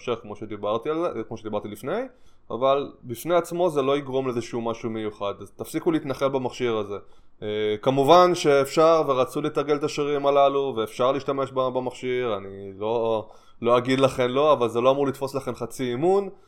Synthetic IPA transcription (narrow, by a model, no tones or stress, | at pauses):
ʃeχkmo̞ʃed̪ibaʁt̪ialkmoʃed̪ibaʁt̪ilifnej | ʔa̰valbifneat͡smo̞ze̞lo̞iɡʁo̞mleezeʃeumaʃumejuχad̪azt̪afsikuliit̪naχe̞lbamaχʃiʁaze̞ | kamuvanʃe̞ːfʃaʁve̞ʁat͡sulit̪aʁɡelt̪aʃiʁimalaluve̞ːfʃaʁliʃtame̞ʃbabamaχʃiʁanilo̞ | lo̞aɡid̪laχe̞nlo̞avalze̞lo̞amuʁlit̪fo̞slaχe̞nχat͡siimun